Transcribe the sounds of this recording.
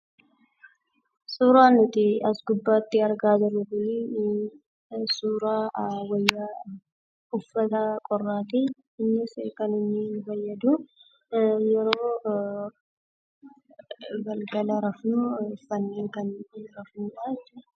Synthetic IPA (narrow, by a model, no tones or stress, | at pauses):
suːɾaːnʊt̪ɪɐsɡʊbːaːt̪ːɪɐɾɡaːd͡ʒɪɾːʊt̪ʊli | suːɾaːwɐjːɐ | ʊfːɐt̪ɐkʼɔrːaːt̪ɪ | ɪnːɪskɐnɪnːɪfɐjːɐd̪ʊ | jɛɾoː | ɡɐlɡɐlɐɾɐfnʊfɐnːeːŋkɐnɪɾɐfnuːᶑat͡ʃːɛ